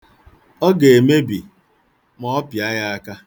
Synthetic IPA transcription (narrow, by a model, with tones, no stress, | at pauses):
ɔ˦ɡe˨e˨me˦bi˨ | mɔ˦ɔ˦pja˦ja˦a˦ka˦